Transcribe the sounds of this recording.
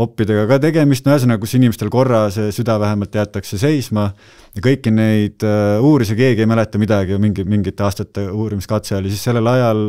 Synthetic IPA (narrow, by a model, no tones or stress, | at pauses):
o̞pːid̪e̞ɡ̥ɑkɑt̪e̞ɡe̞mist̪mæs̬enɑkusinime̞st̪eko̞rːɑse̞syd̪̥ɑvæɦemɑlt̪jæt̪ːˑɑkse̞se̞jsmɑ | jɑkɤjkːine̞jd̪̥uːɾis̬ɑke̞ːɡie̞jmæle̞t̪ːˑɑmid̪̥ɑɡimiŋɡimiŋɡit̪ːˑe̞ɑːst̪ɑt̪ːˑe̞uːɾimiskɑt̪seolʲisisse̞lːe̞lɑjɑl